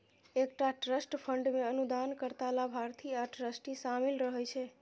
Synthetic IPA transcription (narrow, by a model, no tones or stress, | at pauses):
ekʈaʈɾəsʈpʰəɳɖmẽənud̪ankəɾt̪alabʱaɾt̪ʰiaʈɾəsʈisamilɾəɦɛt͡ʃʰe